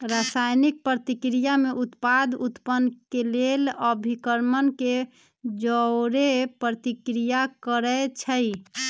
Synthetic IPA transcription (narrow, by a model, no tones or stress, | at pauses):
ɾasajnik̚pɾət̪ikɾijameʔut̪pad̪ʱut̪pənkeleləbʱikəɾmənke | d͡ʒəɾepɾət̪ikɾijakəɾət͡ʃʰəj